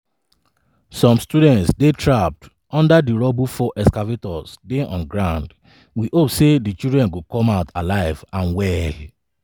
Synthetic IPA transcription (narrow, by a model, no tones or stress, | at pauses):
sɔ̃mstudɛ̃ntsdetʰɹap̚t | ɔ̃ndadiɹɔbufɔʔɛskavetɔsdeʔɔ̰̃nɡɹãʊ̃nd | wiʔopsedit͡ʃidɹɛ̃nɡokɔ̃maʊtʰalaɪvãnwɛl